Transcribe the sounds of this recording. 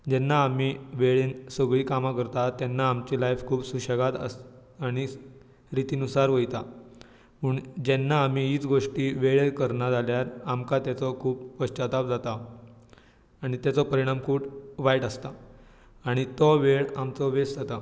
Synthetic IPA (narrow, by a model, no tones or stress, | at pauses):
d͡ʑɛnːaːmiːʋeɭiːnsəɡɭiːkamakəɾt̪at̪ːjɛnːaːmt͡ɕilajfkʰuːpsuɕəɡat̪əs | aɽ̃i | ɾit̪iːnusaɾʋəjt̪a | muːɳd͡ʑɛnːaːmiiːt͡sɡoʂʈiːʋeɭeɾkəɾɳad͡zaljaɾamkat̪jat͡sɔkʰuːppəɕt͡ɕat̪ap̚d͡zat̪a | ɽ̃it̪jat͡sɔpəɾiɽ̃amkʰuːʈʋajʈəst̪a | aɽ̃it̪ɔʋeɭamt͡sɔʋesd͡zat̪a